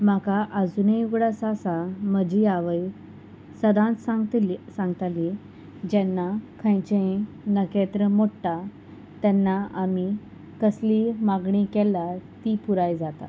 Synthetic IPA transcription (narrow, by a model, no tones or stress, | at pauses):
makaʔəd͡zunejuɡɽasasaməd͡ʑiaʋəj | səd̪ãt̪sãŋɡt̪sãŋɡt̪ali | d͡ʑɛnːakʰə̃jt͡ɕẽ | nəket̪ɾəmoʈʈa | t̪ɛnːaami | kəslimaɡɳikɛlːat̪ipuɾajd͡zat̪a̰